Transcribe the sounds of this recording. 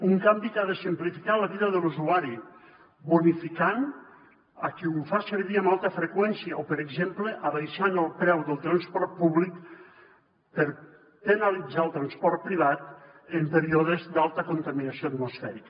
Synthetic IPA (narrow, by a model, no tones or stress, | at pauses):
uŋkambikaðəsəmplifikaləβiðəðəluzuaɾi | βunifikan | əkiufasəɾβiəmalˠt̪əfɾəkwɛnsiəopəɾəɡzempləʔəβajsanəlˠpɾɛwðəlˠt̪ɾanspɔɾt̪̚puβlik | pəɾ | pənalid͡zaəlˠt̪ɾanspɔɾt̪̚pɾiβ̞at̪ | əmpəɾioðəzd̪alˠt̪əkunt̪aminasioat̪mosfɛɾik